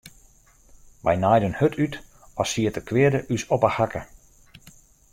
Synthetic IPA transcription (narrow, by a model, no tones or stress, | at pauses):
ʋɛ̰jnajdənhøtʰyt | ɔsiətəkʰʋɪədəʔysɔpahakə